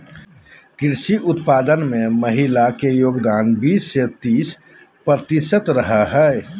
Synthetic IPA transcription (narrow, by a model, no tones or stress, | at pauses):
kɪɾsiʔʊt̪paːd̪ənmẽməɦilakejoːɡd̪aːnbiːsːet̪iːs | pɾət̪iʃət̪ɾəɦəɦɛ